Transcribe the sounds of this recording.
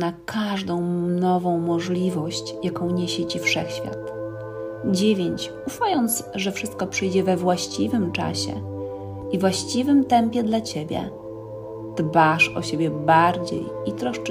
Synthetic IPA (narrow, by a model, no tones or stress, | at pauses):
nakʰaʐd̪ɔ̃w̃nɔvɔ̃w̃mɔʐlʲivɔɕt͡ɕjakɔ̃w̃ɲeɕɛt͡ɕifʂɛxɕfʲja̰t̪ | d͡ʑevʲjeɲt͡ɕ | ufajɔnt̪sʐɛfʂɘst̪kɔpʂɘjd͡ʑɛvɛvwaɕt͡ɕivɘmt͡ʂa̰ɕɛ̰ | ivwaɕt͡ɕivɘmt̪ɛmpʲjɛd̪lat͡ɕebʲjɛ̰ | d̪̥baʂɔ̰ɕebʲjɛbaɾd͡ʑḛjit̪ɾɔʂt͡ʂ